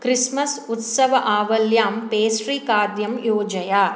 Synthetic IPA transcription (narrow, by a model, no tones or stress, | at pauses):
kɾismɐsut̪sɐʋɐʔaːʋɐljaːmpeːsɾiːkaːd̪jɐmjoːd͡ʒɐjaː